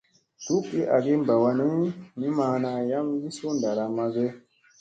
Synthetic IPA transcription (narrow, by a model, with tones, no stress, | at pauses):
tu˦kːi˦ʔa˨ɡe˦mba˨wa˧ni˦mi˦maː˨na˨ja˦mli˦su˦nda˨ɾa˨ma˨ze˦